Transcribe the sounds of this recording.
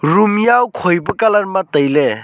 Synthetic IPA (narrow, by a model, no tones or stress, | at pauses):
ɾumjawkʰojbɐkalaɾmatɐjle